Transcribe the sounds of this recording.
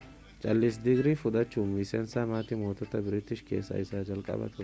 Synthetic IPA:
t͡ʃʼɐlːɪs̬d̪ɪɡɾɪfʊd̪ɐt͡ʃːuːmisɛnsamaːt̪ɪmoːt̪ɐt̪ːɐbɪɾɪt̪ːɪʃkḛːsːɐ̰jsaːd͡ʒɐlkʼɐ̰bɐ̰t̪ʰʊ

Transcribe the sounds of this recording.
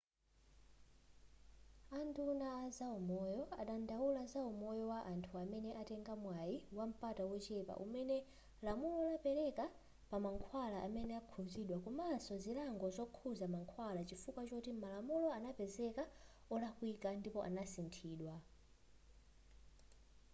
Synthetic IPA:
andunaːzaumɔjɔa̰ɗandawulazaumɔjɔwaʔantʰuamɛnɛʔatɛŋɡamwajiwam̩patawɔt͡ʃɛpa̰ʔumɛnɛ | lamulɔlapɛɾɛka | pamaŋkʰwalaʔamɛnɛakʰuziɗwakumasɔzilaŋɡɔzɔkʰuzamaŋkʰwalat͡ʃifukwat͡ʃɔtimalamulɔanapɛzɛka | ɔlakwikandipɔʔa̰nasintʰiːɗwa

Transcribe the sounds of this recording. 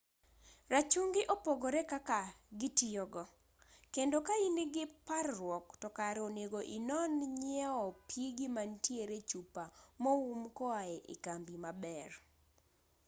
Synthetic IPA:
rat͡ʃuŋɡɪʔopoɡɔɾɛkakaɡɪtiɔɡɔ | kendokainiɡɪparrwɔktɔkaɾoneɡoʔinɔnɲɛɔpjiɡɪmantjeɾet͡ʃupamɔumkɔaɛʔɪ̰kambimabɛr

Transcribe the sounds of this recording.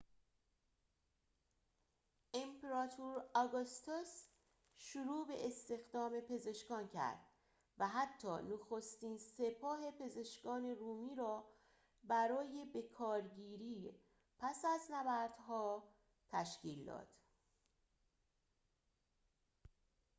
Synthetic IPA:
ʔempʰeɾɒːt̪ʰuɾɒɡost̪os | ʃuɾuːbe̞ʔest̪e̞xd̪ɒːme̞pʰe̞ze̞ʃkɒːncʰæ̰ɾd̪̥ | væɦæt̪ʰːɒːnoxost̪iːnse̞pʰɒːɦe̞pʰe̞ze̞ʃkɒːne̞ruːmiːɾɒː | bæɾɒːje̞be̞kʰɒːɾɟiːɾiː | pʰæsæznævæɾd̪̥ɦɒː | t̪ʰæʃciːld̪ɒ̰ːd̪̥

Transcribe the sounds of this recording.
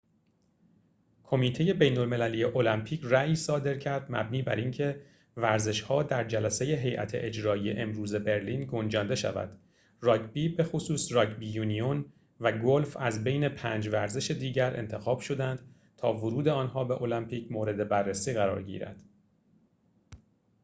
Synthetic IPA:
kʰo̞miːt̪ʰe̞je̞be̞jnolme̞lælijeʔo̞læmpʰiːcʰræiːsɒːd̪e̞ɾcʰæɾd̪mæ̰bniːbæ̰ɾʔiŋcʰe̞ | væɾze̞ʃhɒːd̪æɾd͡ʒælæse̞je̞ɦe̞jʔæ̰t̪ʰe̞̰ʔed͡ʒɾɒːije̞ʔemɾuːze̞be̞ɾliːnɡo̞nd͡ʒɒːnd̪e̞ʃæ̰væ̰d̪̥ | rɒːkbiːbe̞xosuːsrɒːkbijuːnion | væɡolfæzbe̞jne̞pʰæːnd͡ʒvæɾze̞ʃe̞d̪iːɟæɾḛnt̪ʰe̞xɒːb̥ʃo̞d̪ænd̪̥ | t̪ʰɒːvoɾuːd̪e̞ɒːnɦɒːbe̞ʔo̞læmpʰiːcʰmoːɾe̞d̪e̞bærːæsiːɣæɾɒ̰ːɾɟḭːɾæ̰d̪̥

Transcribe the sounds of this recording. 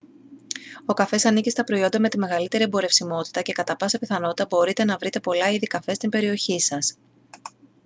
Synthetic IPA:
o̞kɐfe̞sɐnicist̪ɐpɾo̞io̞nd̪ɐme̞t̪ime̞ɣɐlit̪e̞ɾie̞mbo̞ɾe̞fsimo̞t̪i̥t̪ɐce̞kɐt̪ɐpɐsɐpiθɐno̞t̪i̥t̪ɐbo̞ɾit̪e̞nɐvɾit̪e̞po̞lɐiðikɐfe̞st̪imbe̞ɾio̞çisɐs

